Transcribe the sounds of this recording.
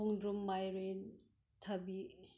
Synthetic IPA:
oŋdɾumːajɾen | tʰɐbi

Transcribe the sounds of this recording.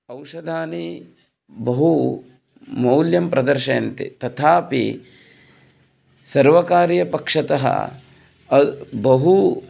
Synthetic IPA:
ɐwʂɐd̪ʱaːni | bɐɦu | mɐwljɐmpɾʔɐd̪ɐɾʃɐjɐnt̪ḭt̪ɐt̪ʰaːpḭ | sɐɾʋɐkaːɾjɐpɐkʂɐt̪ɐɦɐ̰ | bɐɦu

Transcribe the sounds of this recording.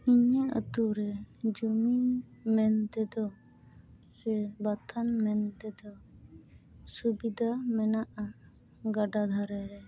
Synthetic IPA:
iɲɛʔə̰t̪uɾɛd͡ʒumimɛnt̪ɛd̪ɔ | sɛbat̪ʰanmɛnt̪ɛd̪ɔ | subid̪ʱamɛnaʔa | ɡaɖad̪ʱaɾɛɾɛ

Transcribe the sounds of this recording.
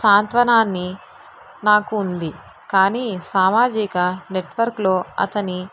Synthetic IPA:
saːnt̪ʋɐnaːnːi | naːkuːnd̪i | kaːniːsaːmaːd͡ʒikɐneʈʋɐɾklo̞ːɐ̰t̪ɐni

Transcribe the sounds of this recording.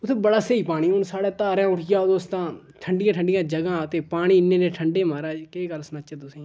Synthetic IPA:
ʊt̪ʰːebəɽaːseːiːpaːɽ̃ĩːʊnsaːɽaːt̪aːɾãːʊʈʰɪjaːd̪oːst̪ãː | ʈʰəɳɖɪjãːʈʰəɳɖɪjãːd͡ʒəɡãːt̪eːpaːɽ̃iːɪnːẽːneːʈʰəɳɖeːmaːɾaːkeːkəɾsnət͡ʃːət̪ʊsẽː

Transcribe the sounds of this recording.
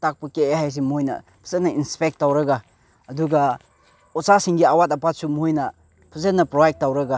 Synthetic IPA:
tak̚pɐkeeɦajs̬imojnɐ̰ | pʰuzenɐinspek̚tːawɾɐɡa | ɐduɡɐ | ɔsasiŋɡiawatɐpat̚sumojnɐ | pʰuzenːɐpɾobajk̚tːawɾɐɡa

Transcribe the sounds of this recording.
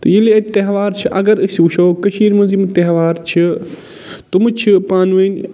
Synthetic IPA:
t̪ɐiliɐt̪ɐɦʋaːɾt͡ʃʰiʔɐɡɐɾɨsuʃoːkɐʃiːɾmɐ̃nzimt̪ɐɦʋaːɾt͡ʃʰi | t̪umt͡ʃʰipaːnʋɐn

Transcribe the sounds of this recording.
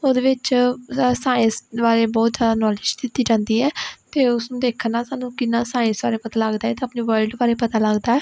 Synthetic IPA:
oːd̪eːʋɪt͡ʃ | sãːɪ̃sʋaːɾeːbɔːt̪zjaːd̪aːnɔːlɪd͡ʒd̪ɪt̪ːiːd͡ʒãːnd̪iːɛːt̪eːʊsnũːd̪eːkʰənãːsaːnũːkɪnːãːsãːɪ̃sa̰ːɾeːpət̪aːləɡd̪aːɛːt̪eəpneːʋəɾɖbaːɾeːpət̪aːləɡd̪aːɛː

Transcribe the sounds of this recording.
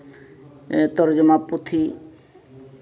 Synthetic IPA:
t̪ɔɾd͡ʒɔmaput̪ʰi

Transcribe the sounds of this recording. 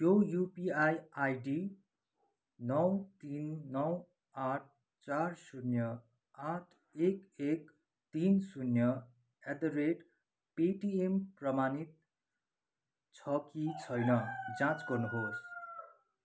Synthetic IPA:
jojupiajajɖi | nʌwt̪inːʌw | aʈ̚ʰ | t͡sarsunjʌ | aʈʰ | ekek | t̪insunjʌ | ed̪ʌɾeʈ | peʈiemprʌmanit̪̚ | t͡sʰʌkit͡sʰʌjnʌd͡zãt͡sɡʌrnuɦos

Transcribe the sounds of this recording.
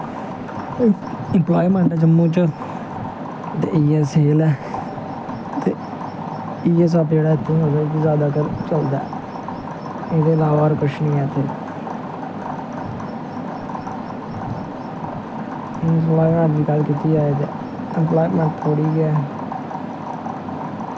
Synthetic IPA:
əmplaːiːmɛ̃ɳʈːd͡ʒəmːũːt͡ʃə | t̪ḛːʔiːɛːseːlɛː | t̪eː | iːes̬apd͡ʒeːɽaːɪt̪ʰːeɦoːd̪aːk̪izjaːd̪aːkəɾt͡ʃəld̪a̰ː | eːd̪eːlaːʋaːɾkʊt͡ʃʰnĩːɛːt̪eː | elaːiːmɛ̃ːʈd͡ʒ̪iːɡəlkiːt̪iːaːet̪eː | əmplaːiːmɛ̃ːɳʈ̚t̪ʰoːɽiːɡɛː

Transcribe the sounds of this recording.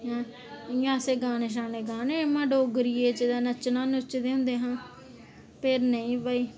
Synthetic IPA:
ɦɛ̃ː | jãːseːɡaːneʃ̬aːneːɡaːneːmãːɖoːɡɾiːeːt͡ʃəd̪aːnət͡ʃnãːnʊt͡ʃd̪eːɦʊ̃nd̪eːɦãː | peɾnəĩːbaːiː

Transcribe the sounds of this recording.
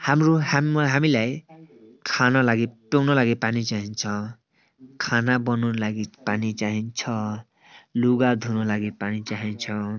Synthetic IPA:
hamɾuɦamɦamilaj | kʰanʌlaɡipewnʌlaɡipanit͡saɦint͡sʰʌ | kʰanabʌnunlaɡipanit͡saɦint͡sʰʌ | luɡad̪ʱunɔlaɡipanit͡saɦint͡sʰʌ

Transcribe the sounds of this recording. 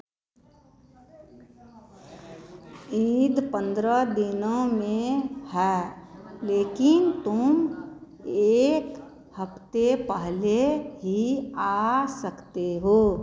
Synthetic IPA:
id̪pə̃nd̪ɾəd̪ɪnõmẽhɛːleːkɪnt̪ʊm | eːk | həpt̪epəɦleɦiasəkt̪eɦoː

